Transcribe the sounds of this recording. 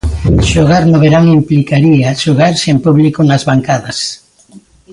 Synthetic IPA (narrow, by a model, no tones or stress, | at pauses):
ʃoɣ̞aɾnoβeɾaŋimplikaɾiaʃoɣaɾsempuβlikonazβaŋkaðas